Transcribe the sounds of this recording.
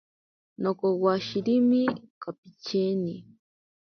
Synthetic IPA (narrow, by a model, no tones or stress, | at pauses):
nokowaʃiɾimikapit͡ʃʰeni